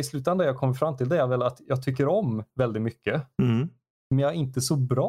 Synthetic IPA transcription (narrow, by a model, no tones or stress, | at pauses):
ɪslʉt̪and̪aɾjɑːɡ̚kʰɔmːəɾfɾamːt̪ʰɪld̪ɛæɾvɛlat̪jɑːɡ̚t̪ʰʏkːəɾɔmvɛld̪ɪt̪mʏkːə | mɛnjɑɪnt̪əsɔbɾɑ